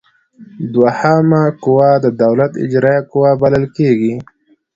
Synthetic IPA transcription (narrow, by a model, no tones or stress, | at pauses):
d̪wahamakʊwad̪əd̪awlat̪ɪ̰d͡ʒɾɑjakʊwabalalkeɡi